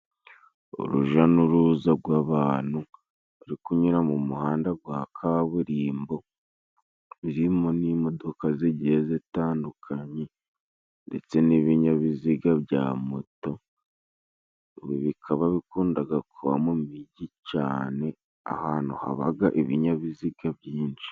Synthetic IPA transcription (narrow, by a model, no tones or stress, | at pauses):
o̰ɾṵʒanuɾuzaɾɡwaːβaːn̥hu | ɾikuɲuɾamumuhaːndaɡwaːkʰaβuɾiːmbo̞ | βiɾimoniːmo̞do̞kazeɟezetaːndukʰaɲe̞ | nde̞t͡se̞niβiɲaβiziɡaβja̰moto̞ | βiβikʰaβaβikuːndaɡakʰuβa̰mumiɟica̰ːne̞ | a̰haːn̥huha̰βa̰ɡaʔeβiɲaβiziɡaβjiːnd͡ʒi̥